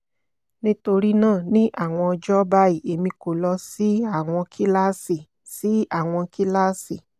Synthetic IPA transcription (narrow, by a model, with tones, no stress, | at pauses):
nĩ˦to˧ɾi˦nãː˦˨nĩ˦ʔa˦˨w̃ɔ̃˧ɔ˧d͡ʒɔ˦ba˦i˨e˨mĩ˧ko˨lɔ˧si˨˦a˦˨w̃ɔ̃˧kʰi˦la˦si˨ | si˨˦a˦˨w̃ɔ̃˧ki˦la˦si˨